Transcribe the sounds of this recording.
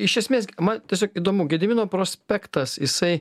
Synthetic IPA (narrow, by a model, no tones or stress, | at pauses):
ɪʃʲɛsʲmʲeːsmɐnt̪ʲiɛsʲoːkiːd̪oːmuɡʲɛd̪ʲɪmʲɪnoːpɾoːsʲpʲækt̪ɐsjɪsɐɪ